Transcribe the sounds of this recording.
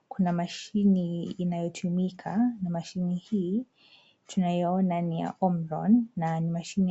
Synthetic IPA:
kunamaʃiniːnajɔtʰumikʰanamaʃinihiː | tʰunajɔɔnanija̰ʔɔmɾɔ̰nːanimaʃini

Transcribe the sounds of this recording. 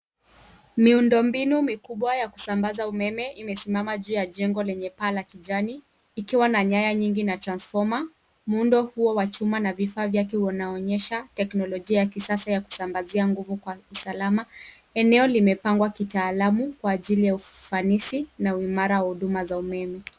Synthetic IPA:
miundɔmbinumikuɓwajaku̥sambazaumɛmɛimɛsimamaʄuːjaʄɛŋɡɔlɛɲɛpaːlakiʄaniː | kiwanaɲajaɲiŋɡinatɾansfɔma | mundɔhuɔwat͡ʃumanavifaːvjak̬ɛɔnaɔɲɛʃatɛknɔlɔʄiajakisasajaku̥sambaziaŋɡuvukwausalama | ɛnɛɔlimɛpaŋɡwakitaːlamukwaːʄilijaufanisinauimaɾawahuɗumazaumɛmɛ

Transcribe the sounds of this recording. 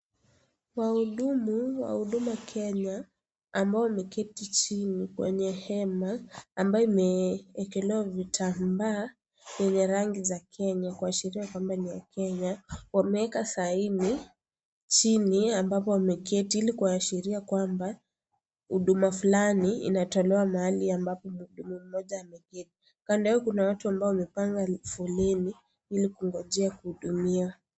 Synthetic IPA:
wahuɗumuwa̰huɗumuakʰɛɲa | ambaɔwamɛkɛtit͡ʃinikwɛ̰ɲɛhɛmaːmbajɔimɛːkɛlɛwavitʰambaː | jɛɲɛɾaŋɡizakʰɛɲakuaʃiɾiakwambania̰kɛɲawamɛɛkasaini | t͡ʃiniambapɔwamɛkɛtiilikuwaːʃiɾiakwamba | huɗumafulaniḭnatɔlɛwamahaliambapɔmuɗumum̩mɔʄaamɛkɛti̥ | kandaɛɔkunawatuambaɔwamɛpaŋɡafulɛni | ilikuŋɡɔʄɛakuhuɗumia

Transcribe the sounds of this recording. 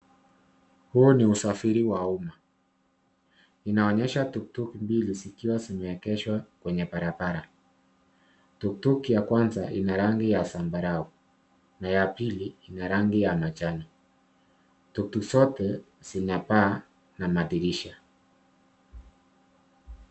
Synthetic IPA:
huːniusafiɾiwauma | inaɔɲɛʃatuk̚tukimbilizikiwazimɛɛkɛʃwakwɛɲɛpaɾapaɾa | tuktukijakwanzaʔinaɾaŋɡijasambaɾau | najapiliinaɾaŋɡijamat͡ʃana | tuktukisɔtɛ | z̥inapaː | namaɗiɾiʃa

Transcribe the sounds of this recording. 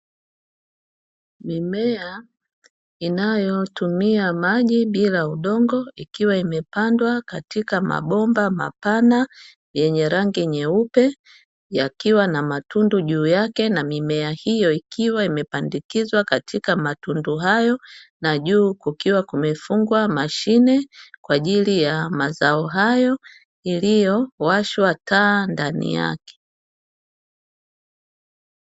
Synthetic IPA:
mimɛa | inajɔtumiamaʄiɓilauɗɔŋɡɔikiwaimɛpandwakatikama̰ɓɔmbama̰pana | jɛɲɛɾaŋɡiɲɛupɛ | jakiwanamatunduʄuːjakɛnamimɛahijɔikiwaimɛpandikizwakatʰikamatunduɦajɔnaʄuːkukiwakumɛfuŋɡwamaʃinɛkwaʄilijamazaɔɦajɔ | ilijɔwaʃwatʰaːndanḭja̰kɛ̥

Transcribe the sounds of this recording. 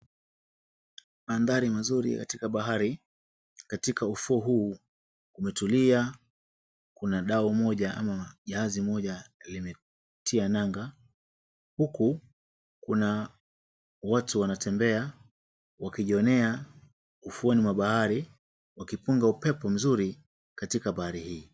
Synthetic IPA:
maːnðaɾimazuɾḭkatikaɓaɦaɾi | katikʰaufuɔɦuː | umɛtulia | kunaɗaumɔʄaʔa̰maʄaazimɔʄalimɛ | tʰianaŋɡa | huku | kuna | watuwanatʰɛmbɛa | wakiʄiɔnɛa | ufuɔnimwaɓahaɾi | wakipuŋɡaupɛpɔm̩zuɾi | katikaɓahaɾihiː

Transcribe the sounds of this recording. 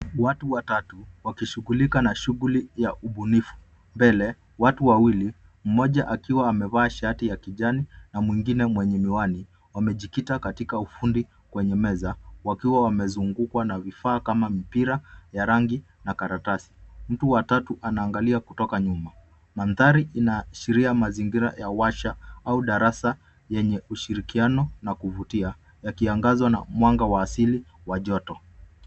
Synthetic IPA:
watuwatatuwakiʃuɣulikanaʃuɣulijaʔuɓunifu̥ | mbɛlɛ | watuwawili | m̩mɔʄaʔakiwaːmɛvaːʃatijakiʄaninamwiŋɡinɛmwɛɲɛmiwani | wamɛʄikitakatikaufundi | kwɛɲɛmɛzawakiwawamɛzuŋɡukwanavifaːkamamipiɾajaɾaŋɡi | nakaɾatasi̥m̩tuwatatuʔanaːŋɡaliakutɔkaɲuma | manθaɾiʔinaʃiɾiamaziŋɡiɾa̰jawaʃaauɗaɾasa | jɛɲɛuʃiɾikianɔnakuvutia | jakiaŋɡazwana̰mwaŋɡawaːsiliwaʄɔtɔ

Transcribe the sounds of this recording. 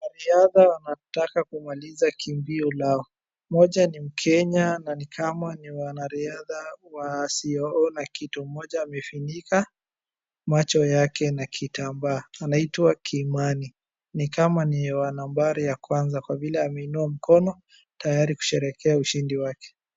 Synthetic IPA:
naɾiaðawanatakakumalizakʰimbiɔlaɔ | mɔʄanim̩kʰɛɲananikʰamaniwanaɾiaðawasiɔɔnakitum̩mɔʄaːmɛfinika | mat͡ʃɔjakɛnakʰitambaːnaitwakʰiːmani | nikamaniɛwanambaɾijakwanzakwavilɛamɛinuam̩kɔnɔ | tajaɾiku̥ʃɛɾɛkʰɛauʃindiwakɛ̥

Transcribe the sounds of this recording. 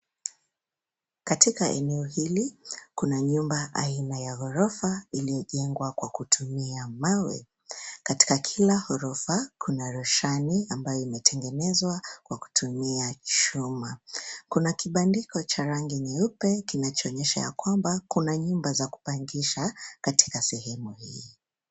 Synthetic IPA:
katikaʔɛ̰nɛɔhilikunaɲumbaʔa̰inajahɔɾɔfailijɔʄɛŋɡwakwakutʰumiamawɛ̰ | kati̥kakʰilahɔɾɔfakʰunaɾɔʃaniambajɔimɛtʰɛŋɡɛnɛzwakwaku̥tʰumiat͡ʃumakunakiɓandikɔt͡ʃaɾaŋɡiɲaupɛkinat͡ʃɔːɲɛʃa̰ja̰kwambakunaɲumbazaku̥paŋɡiʃakatʰi̥kasɛhɛmuhḭː

